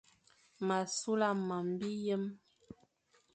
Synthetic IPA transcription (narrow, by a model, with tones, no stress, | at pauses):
ma˨su˦la˦˨ma˨m˦bi˦jə˦m